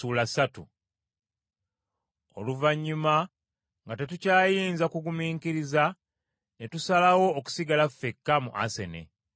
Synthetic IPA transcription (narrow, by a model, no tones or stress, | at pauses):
ulasatṵ | o̰luvaɲːuma | ŋɡate̞tucaːjiːnzakuɡumiːŋkiɾiza | netusalawo̞ːku̥siɡalafːekːamṵʔa̰se̞̰ne̞̰